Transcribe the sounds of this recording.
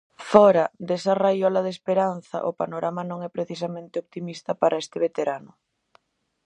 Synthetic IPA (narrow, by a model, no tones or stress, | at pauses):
fɔɾɐd̪esɐrajɔlɐð̞espeɾan̟θɐ̰ʔopanoɾʔamanõŋɛpɾeθisamẽnt̪ɪop̚t̪imist̪ɐpaɾʔaest̪ɪβet̪eɾanʊ